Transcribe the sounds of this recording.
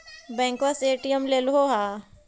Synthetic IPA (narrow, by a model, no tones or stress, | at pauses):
bɛ̃ːŋkʋaseːʈijəmlelɦoːɦaː